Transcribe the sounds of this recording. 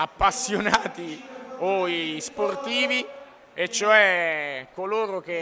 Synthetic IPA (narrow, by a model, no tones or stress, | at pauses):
apːasːjonaːt̪ioisport̪iːvi | et͡ʃːoɛkːoloːɾok̟e